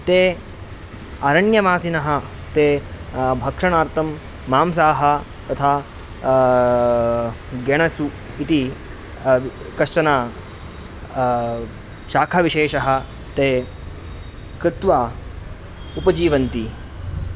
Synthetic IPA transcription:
t̪eː | ɐɾɐɳjɐmaːsinɐɦɐ̆ | t̪eːbʱɐkʂɐɳaːɾt̪ʰɐmː | aːmsaːɦɐ̆ | t̪ɐt̪ʰaː | ɡɐɳ̃ɐsu | it̪i | kɐʂʈɐnaː | ʃaːkʰaʋiʃeːʃɐɦɐ̆ | t̪eː | kɾɪt̪ʋaː | upɐd͡ʒiːʋɐnt̪i

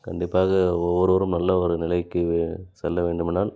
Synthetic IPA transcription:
kɐɳɖɪpːaːɣɐɔʋːɐɾɯʋɔɾɯmnɐlːɐɔɾɯnɪlɐɪkːɯsɛlːɐʋeːɳɖɯmɪnaːl

